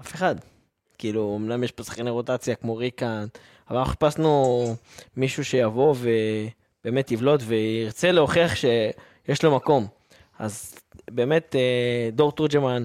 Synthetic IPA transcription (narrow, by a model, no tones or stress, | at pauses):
ʔafeχad̪ | kiːluomlamjeʃbosḁχkaneʁotat͡sjakmo̞ʁikand | avaaχi̥pasnu | miʃuʃe̞javo̞ve̞ | b̥e̞ːme̞t̪jivlo̞tve̞iʁt͡se̞leoχeaχʃe̞ | jeʃlo̞mako̞m | a̰zbe̞ːme̞tdo̞ʁt̪uʁd͡ʒeman